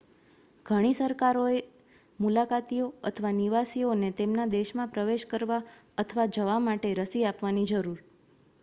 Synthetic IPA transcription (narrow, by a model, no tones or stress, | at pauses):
ɡ̥ʱəɽ̃isəɾkaɾoe | mulakat̪ioə̰t̪ʰəʋaniʋasionet̪emnad̪eʃmãpɾəʋeʃkəɾʋa | ət̪ʰəʋad͡ʒəʋamaʈeɾəsiapʋanid͡ʒəɾuɾ